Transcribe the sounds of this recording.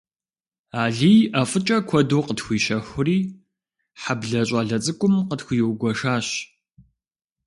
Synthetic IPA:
aːɮiːjaːfʼɨt͡ʃʼɐkʷʰɔduːqətxʷiːʃɐxʷʊriː | ħabɮɐɕʼaɮɐt͡sʼɨkʷʼʊmqətxʷjwɡʷɔʂaːɕ

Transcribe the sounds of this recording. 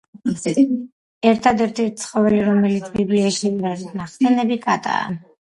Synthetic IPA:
ɛɾt̪ʰad̪ɛɾt̪ʰɛɾt̪t̪sʰχɔvɛliɾɔmɛlit̪sʰbibliaʃɛbiɾazit̪ʰnaχsɛnɛbikʼat̪ʼa̰ːn

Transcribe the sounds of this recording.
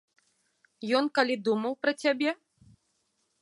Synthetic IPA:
jɔnkalʲid̪umɐwpɾɐt͡sʲabʲɛ

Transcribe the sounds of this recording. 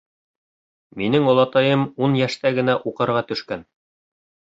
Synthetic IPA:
minɘŋolˠɑt̪ɑjɤmunjæʃt̪æɡɘ̆næʔuqɤ̆ɾʁɑt̪ɵ̆ʃkæn

